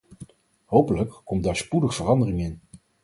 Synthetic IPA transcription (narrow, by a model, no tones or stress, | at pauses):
ɦowpələkːɔmdaːɹspudəχv̥ərɑndərɪŋɪn